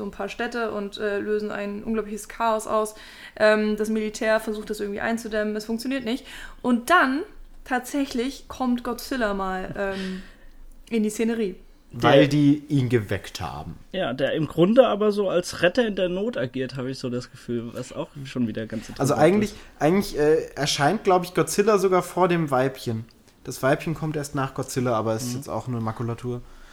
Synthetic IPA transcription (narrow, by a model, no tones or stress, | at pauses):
zoːnpʰaːɐʃtɛtəʔʊntʔɛːløːzn̩ʔa̰ɪnʔʊ̰nɡlaʊplɪçəskʰaːɔsʔa̰ʊs | ʔɛːmdasmilitʰɛːɐfɛɐzuːxtd̥asʔɪɐɡŋ̩tviːʔa̰ɪnt͡sudɛmənɛsfʊŋkt͡sjoniːɐtnɪçtʔʊnt̚d̥antʰaːtz̥ɛçlɪçkʰɔmtɡ̥ɔtfɪlɐmaːlʔɛːm | ʔɪndiːst͡seːnəʁiː | vaɪɪldiːiːnɡəvɛ̰ktha̰ːbm̩jaːdeːɐʔɪmɡʁʊndəaːbɐzoːalsʁɛtɐɪndeːɐnoːtaɡiːɐtɦaːbəɪçz̥oːdasɡ̥əfyːlvasa̰ʊxʃoːnviːdɐɡant͡sɛʔalzoʔaɪɡŋ̩tlɪçʔaɪɡŋ̩tɪçʔɛːɛɐʃaɪnt̚ɡ̥laʊbəɪçɡ̥ɔt͡sɪlɐzoɡaːɐfoːɐdeːmvaɪpçən | d̥asv̥aɪpçənkʰɔmtʔeːɐstnaːχɡ̥ɔtt͡sɪlɐʔaːbɐɛsjɛt͡sta̰ʊxnuːɐmakulatʰuːɐ